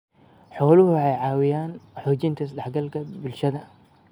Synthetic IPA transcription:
ħɔːlʊhʊwħɑjʕɑːwɪjaːnħuːt͡ʃɪnt̪ʰɐsɐd̪ɛħɡɐlkʰɐbɪlʃɐðɐ

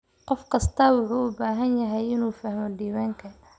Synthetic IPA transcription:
qɔfkʰɐst̪ʰɐwʊħuːʊbaːɦɐnjɐɦɛjɪnuːfɐhmɔɖiːwaːŋkʰɐ

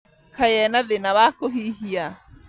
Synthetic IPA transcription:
kʰajɛnaðɪnaβaːkɔɦiːɦija

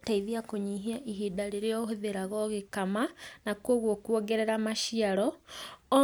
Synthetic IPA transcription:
taiðiakoɲiɦiaʔiɦidaɾeɾeɔhoðeɾaɣɔɣekamanakwoɣwokwɔɡɛɾɛɾamaʃiaɾɔ

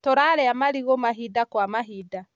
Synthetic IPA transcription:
toɾaɾɛamaɾiɣomaɦidakwamaɦida

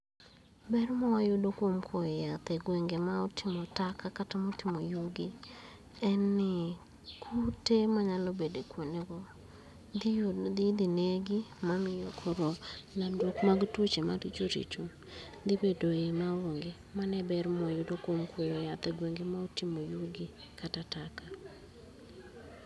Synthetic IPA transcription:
bɛrmɔwajʊdokwomkʰojɔjat̪ɛɡweŋɡemaotʰɪmɔtakakatamotɪmojuɡɪ | ɛnːɪ | kʰutemaɲalɔbedekwoneɡɔ | d̪d̪ɪd̪ineɡɪmamɪjokʰoɾɔnadwokmaɡtot͡ʃemaɾit͡ʃoɾḭt͡ʃo | d̪ɪbedoemawoŋɡe | manɛbɛɾmɔjʊdokomkwojojat̪ɛɡweŋɡemaotimojuɡɪ | katataka

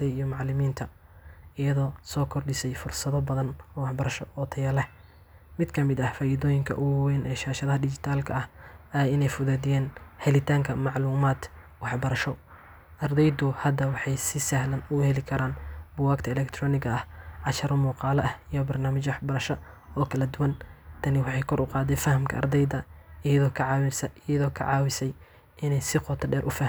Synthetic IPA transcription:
ɛjijɔmɑʕlɪmiːnt̪ʰɐ | ɪjɐðɔːsɔːkʰɔrɖɪsɛjfʊrsɐðɔbɐðɐnɔːwɑħbɐɾɐʃɔɔːt̪ʰɐjɐlɛh | mɪd̪kʰɐmɪd̪ɐhfaːjɪðɔːjɪŋkʰɐ̰ʔʊwɛːnʔɛːʃaːʃɐðɐhɐdɪt͡ʃɪt̪ʰaːlkʰɐɐhɛɪnɛjfʊðaːd̪ɪjɛːnhɛlɪt̪ʰaːŋkʰɐmɑʕluːmaːd̪ | wɑħbɐɾɐʃɔ | ʔɐrd̪ɛjd̪ʊhɐd̪ɐwɑħɑjsɪsɐhlɐnʊhɛlɪkʰɐɾaːnbʊwaːɡt̪ʰɐɛlɛkt̪ʰrɔːnɪɡɐɐhʕɑʃɐɾɐmuːqɑːlɐʔɐhijɔbɐrnaːmɪt͡ʃwɑħbɐɾɐʃɔ | ɔːkʰɐlɐd̪ʊwɐnt̪ʰɐnɪwɑħɑjkʰɔɾʊqɑːd̪ɛfɐhɐmkʰɐ̰ʔɐ̰rd̪ɛjd̪ɐɪjɐðɔːkʰɐʕɑːwɪsɛʔɪjɐðɔːkʰɐ̰ʕɑːwɪsɛj | ɪnɛjsɪqɔt̪ʰɐɖɛːɾʔʊfah

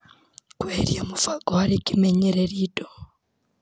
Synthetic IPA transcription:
kweɾjamufaɡohaɾikimeɲeɾeɾiːdo

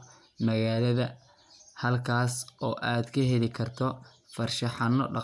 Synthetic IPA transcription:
mɐɣaːlɐðɐ | hɐlkʰaːsɔːʔaːd̪kʰɐɦɛlɪkʰɐrt̪ʰɔ | fɐrʃɐħɑnːɔɖɑ

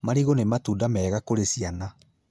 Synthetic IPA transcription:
maɾiɣonematuːdamɛːɣakoɾesiana

